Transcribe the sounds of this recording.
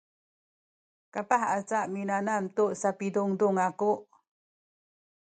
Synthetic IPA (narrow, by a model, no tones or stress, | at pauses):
kapaħat͡saʔminanamtuʔsapiduŋduŋakuʔ